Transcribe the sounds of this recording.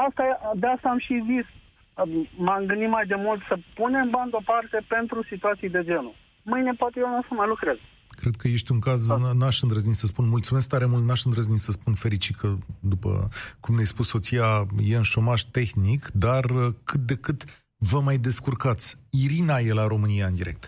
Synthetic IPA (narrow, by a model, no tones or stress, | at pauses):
ast̪ad̪east̪aːmʃizis | maŋɡɨnd̪imajd̪e̞mult̪səpune̞mband̪opart̪e̞pe̞nt̪ɾusit̪uat̪sijd̪e̞d͡ʒe̞nu | mɨjne̞poat̪ejenasəmajlukɾez | kɾe̞d̪̥̚kəje̞ʃt̪ʲuŋkaznaʃɨnd̪ɾəznisəspunmult̪sumesk̚t̪aɾe̞mult̪naʃɨnd̪ɾəznisəspunfe̞ɾit͡ʃikʰəd̪upə̰kumnejspusso̞t̪sijaje̞unʃo̞maʒ̥t̪e̞xnikd̪arəkʰɨt̪̚d̪e̞kɨt̪ | vəmajd̪e̞skurkat̪sʲiɾinaje̞laɾo̞mɨniaɨnd̪iɾe̞k̚t̪